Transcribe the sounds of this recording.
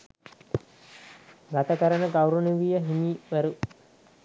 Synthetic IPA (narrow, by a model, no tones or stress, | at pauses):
ɡat̪əkəɾənəɡawɾunuʋijəɦimiːʋæɾu